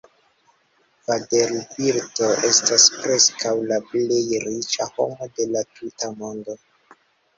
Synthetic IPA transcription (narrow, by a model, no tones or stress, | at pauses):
vadelbiɾto̞ʔe̞staspɾe̞skʰawlaple̞jɾit͡ʃaho̞mo̞de̞latʰutamo̞ndo̞